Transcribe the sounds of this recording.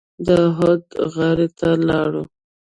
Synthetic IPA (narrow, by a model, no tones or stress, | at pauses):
d̪əɦod̪ɣaɾet̪alɑɽu